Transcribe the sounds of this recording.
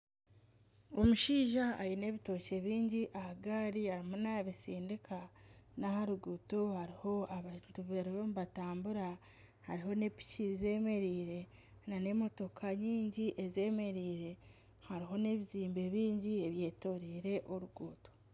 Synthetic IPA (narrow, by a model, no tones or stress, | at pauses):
o̞muʃiːʒaːjine̞ːβito̞ce̞βiːɲɟiʔahaɡaːɾiaɾimonaβisiːndikʰanahaɾuɡuːto̞haɾiho̞aβatuβeɾomβataːmbuɾa | haɾiɦo̞ne̞pi̥ciize̞ːme̞ɾiːɾe̞ | nane̞mo̞to̞kʰaɲiːɲɟiʔeze̞ːme̞ɾiːɾe̞ | haɾiɦo̞ne̞βiziːmbe̞βiːɲɟie̞βje̞ːto̞ɾiːɾe̞ʔoɾuɡuːto̞